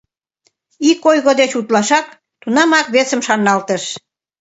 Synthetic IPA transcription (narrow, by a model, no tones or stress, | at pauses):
ikojɣod̪et͡ɕut̪lɑʃɑk | t̪unɑmɑkβesəmʃɑnɑlt̪əʃ